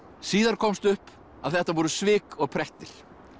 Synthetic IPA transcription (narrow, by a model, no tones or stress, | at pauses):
siːðaɾ̥kʰɔmst̪ʏhp | aðθɛht̪avɔːɾʏsvɪːkɔɣpʰɾɛht̪ɪɾ̥